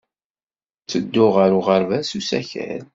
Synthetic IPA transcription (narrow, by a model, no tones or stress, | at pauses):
t͡sːəd̪ːʊʁəɾʊʁəɾvæsusæ̰çæ̰ɾ